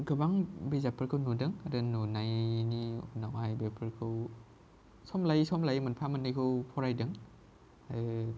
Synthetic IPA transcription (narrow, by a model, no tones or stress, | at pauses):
ɡɯbaŋbezapʰɯɾkʰɯwnudɯŋadɯnunajniunawajbepʰɯɾkʰɯw | sɔmlajsɔmlajmɯnpʰamɯnːɯjkʰɯwpʰɔɾajdɯŋ | aɯ